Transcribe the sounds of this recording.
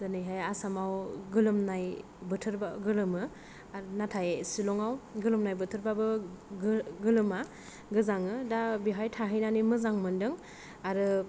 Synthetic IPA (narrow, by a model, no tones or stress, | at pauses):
zɯnɯjɦajasamawɡɯlɯmnaj | bɯtʰɯɾbaɡɯlɯmɯ | aɾnatʰajsilɔŋawɡɯlɯmnajbɯtʰɯɾbabɯɡɡɯlɯma | ɡɯzaŋɯdabiɦajtʰaɦɯjnanimɯzaŋmɯndɯŋ | aɾɯ